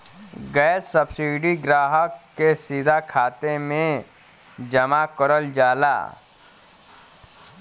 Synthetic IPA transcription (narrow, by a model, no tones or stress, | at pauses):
ɡɛːsːəbsiːɖiɡɾaːɦəkːesid̪ʱakʰaːt̪emẽ | d͡ʒɐmakəɾəld͡ʒaːla̰ː